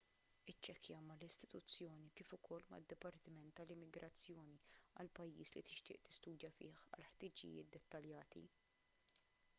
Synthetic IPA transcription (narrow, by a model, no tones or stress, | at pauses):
ɪt͡ʃːɛkjɐmɐlɪst̪ɪ̥t̪ʊt͡sːjɔːnikɪːfʊkʰɔlːmɐ̰d̪ːɪpɐɾt̪ɪmɛnt̪ːɐlɪmːɪɡɾɐt͡sːjɔːniɐ̰lpɐjːiːslit̪ɪʃt̪ɪ̰ːʔt̪ɪ̥st̪uːd̪jɐfɪ̰ːħɐ̰lħt̪ɪːd͡ʒɪ̰jɪ̰ːt̪̚d̪ɛt̪ːɐljɐːt̪ḭ